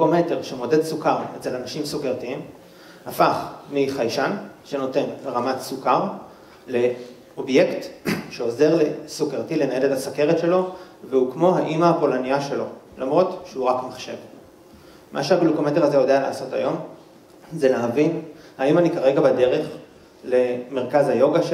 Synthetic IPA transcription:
ukomete̞ʁʃemo̞de̞dsukaʁet͡selanaʃimsukeʁtiim | hafaχmiχajʃanʃe̞no̞te̞nʁamatsukaʁ | le̞ | o̞bje̞ktʃeo̞ze̞ʁle̞sukeʁtile̞naeletasake̞ʁetʃelo̞ | veukmo̞ɦaʔimaapo̞lanijaʃe̞lo̞lamʁo̞tʃeuʁakmaχʃe̞̰v | mʔa̰ʃeablukometeʁazejo̞deala̰ːso̞ta̰jo̞m | zelaɦavin | haimanikaʁe̞ɡabade̞ʁe̞χ | le̞me̞ʁkazajo̞ɡaʃ

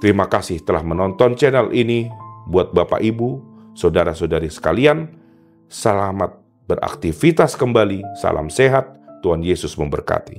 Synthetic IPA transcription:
t̪əɾimakasɪht̪əlahmənɔnt̪ɔnt͡ʃɛnɛlʔinibuat̪̚bapa̰ʔibusodaɾasodaɾisə̥kalian | səlamat̪̚ | bəɾa̰k̚t̪ifit̪askəmbalisa̰lʔa̰mseɦat̪ːuɦanjesʊsməmbə̰rka̰t̪i

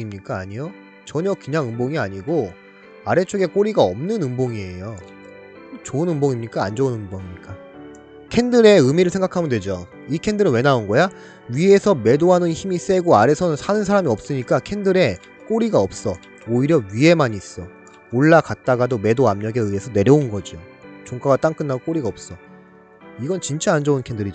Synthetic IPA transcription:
imɲik͈aːɲijo | t͡ɕʌɲʌkɯɲaŋɯmboŋiaɲiɡo | aɾe̞t͡ɕʰoɡe̞k͈oɾiɡaʌmnɯnɯmboŋie̞jo | t͡ɕoɯnɯmboŋimɲik͈aːnd͡ʑoɯnɯmboŋimɲik͈a | kʰe̞ndɯɾe̞ɯmiɾɯɭsʰe̞ŋɡakʰamɯndwe̞d͡ʑo | ikʰe̞ndɯɾɯnwe̞naunɡʌja | ɥie̞sʰʌme̞doɦanɯnçimis͈e̞ɡoaɾe̞sʰʌnɯnsʰanɯnsʰaɾamiʌp̚s͈ɯɲik͈akʰe̞ndɯɾe̞ | k͈oɾiɡaʌp̚s͈ʌ | oiɾjʌɥiɦe̞maɲis͈ʌ | oɭːakat̚t͈aɡadome̞doamɲʌɡe̞ɯe̞sʰʌne̞ɾjʌunɡʌd͡ʑot͡ɕoŋk͈aɡat͈aŋk͈ɯnːaɡok͈oɾiɡaʌp̚s͈ʌ | iɡʌnt͡ɕint͡ɕ͈aand͡ʑʌunkʰendɯɾid͡ʑo

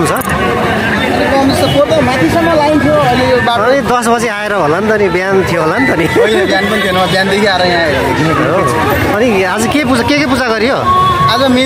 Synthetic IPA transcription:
ut͡sʰʌ | ʌniband̪est̪ʌkot̪amãt̪ʰisʌmːʌlaint̪ʰjoʌnibaʌnid̪ʌsbʌd͡zeaeɾʌɦolʌnt̪ʌnibjant̪ʰijoɦolant̪ʌniebjanpʌnt̪ʰienʌmabjand̪ekʰiaɾʌjãeɾ | i | o | ʌni | ad͡zʌkepud͡zakekep̬ud͡zaɡʌɾijo | ad͡zʌmi

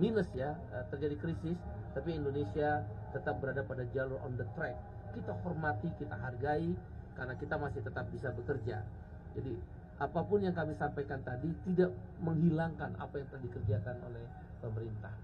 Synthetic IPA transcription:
minəsja | ət̪ərd͡ʒadikɾisɪst̪apiːndonesiat̪ət̪ap̚bəɾadapadad͡ʒalʊrɔ̰nd̪ət̪ɾɛk̚ː | it̪ahɔrmat̪ikit̪a̰ɦarɡai | karnakit̪amasɪht̪ət̪ap̚bisabəkərd͡ʒa̰ | d͡ʒadi | ʔapapʊnjaŋkamɪhsampajkant̪adit̪idaʔməŋɦilaŋkana̰pajaŋt̪aadikərd͡ʒakano̰lɛh | pəməɾint̪ah

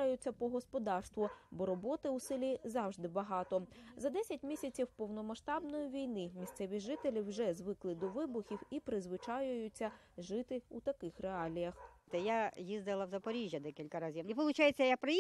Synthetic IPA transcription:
ajʊt͡sʲːɐpɔɦɔspɔd̪ɑrst̪ʋɔbɔɾɔbɔt̪ɪʊsɪlʲizɑwʒd̪ɪbɐɦɑt̪ɔzɐd̪ɛsʲɐtʲmʲisʲɐt͡sʲiwpɔwnɔmɐʃt̪ɑbnɔjiʋʲijnɪmʲist̪sɛʋʲiʒɪt̪elʲiwʒɛzʋɪklˠɪd̪ɔʋɪbʊxʲiwipɾɪzʋɪt͡ʃɑjʊjʊt͡sʲːɐ | ʒɪt̪ɪut̪ɐkɪxreɑlʲijɐxt̪ɛjajizd̪ɪlˠɐwzɐpɔɾʲiʒʲjɐd̪ɛkʲilʲkɐɾɐzʲiʋipɔlˠʊt͡ʃajet͡sʲːɐjakpɾɐ

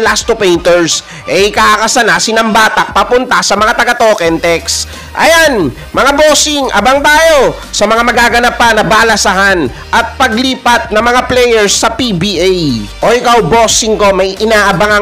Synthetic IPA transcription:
last̪ʊpɛjnt̪ɛɹs | ʔɛɪkaːʔɐkɐsɐnaːsɪnɐmbaːt̪ɐʔ̚pɐpʊnt̪ɐsɐmɐŋat̪ɐɡat̪oːkɛnt̪ɛks | ʔɐ̰jan | mɐŋaboːsɪŋʔɐ̰baŋt̪aːjo̞ | sɐmɐŋamɐɡaːɡɐnapːɐnɐbaːlɐsɐɦan | ʔɐt̪̚pɐɡliːpɐt̪̚nɐŋmɐŋaplɛjɛɹsːɐpibiʔajʔojkɐwboːsɪŋko̞mɐjɪnaːʔɐbaŋɐ

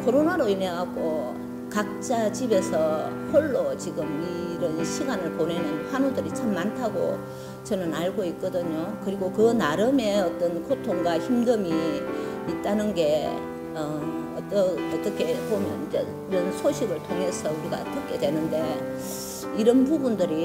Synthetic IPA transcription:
kʰoɾonaɾoine̞ɡak̚k͈o | kak̚t͡ɕ͈at͡ɕibe̞sʰʌhoɭːot͡ɕiɡɯmiɾʌnɕʰiɡanɯɭpone̞nɯnɸwanudɯɾit͡ɕʰamːantʰaɡo̰ | t͡ɕʌnɯnaɭɡoit̚k͈ʌdɯɲokɯɾiɡokɯnaɾɯme̞ʌt͈ʌnkʰotʰoŋɡwaçimdɯmi | it̚t͈anɯnɡe̞ | ʌ | ʌt͈ʌʌt͈ʌkʰe̞pomjʌ̰nd͡ʑe | iɾʌnsʰoɕʰiɡɯɭtʰoŋɦe̞sʰʌuɾiɡa̰ʌtʌkʰe̞dwe̞nɯnde̞ | iɾʌnpubundɯɾi

